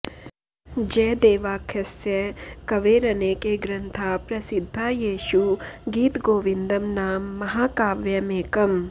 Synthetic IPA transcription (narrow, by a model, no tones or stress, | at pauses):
d͡ʒɐːd̪eːʋaːkʰjɐsjɐkɐʋeːɾɐneːkeɡɾɐnt̪ʰaːpɾɐsid̪ʱːaːjeːʃuɡiːt̪ɡoːʋind̪ɐmnaːmːɐɦaːkaːʋjɐmeːkɐm